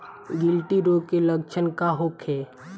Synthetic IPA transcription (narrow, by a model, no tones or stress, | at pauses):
ɡɪlʈiɾokelək̚t͡ʃʰənkaɦokʰeː